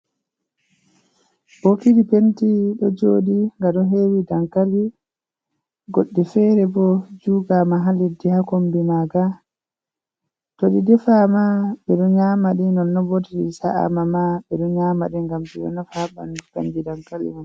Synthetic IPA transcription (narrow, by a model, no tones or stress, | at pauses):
b̥okiɗipentiɗɔd͡ʒoːdiŋɡaɗɔɦewidaŋkali | ɡoɗːifɛːɾɛbɔd͡ʒuːɡamaɦalidihakombimaːɡa | toɗidɛfamaɓɛɗɔɲamaɗinɔnːɔbotiɗisaʔa̰mamaɓɛɗɔɲaːmaɗiŋɡamɗḭɗɔ̰nɔfaaba̰npḛndidaŋkalḭnan